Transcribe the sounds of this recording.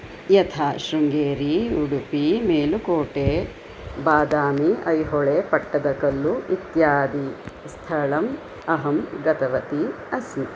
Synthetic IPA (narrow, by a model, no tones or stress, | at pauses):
jɐt̪ʰaːʃɾuŋɡeːɾiuɽupimeːlukoːʈe | baːd̪aːmiɐjɦɔɭepɐʈːɐd̪ɐkɐlːuit̪jaːd̪i | st̪ʰɐɭɐm | ɐɦɐmɡɐt̪ɐʋɐt̪i | ɐsi